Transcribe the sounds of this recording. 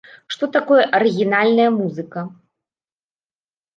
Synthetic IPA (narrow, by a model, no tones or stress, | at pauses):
ʂt̪ɔt̪akɔjɛʔɐɾɨɣʲinalʲnɐjɐmuzɨkɐ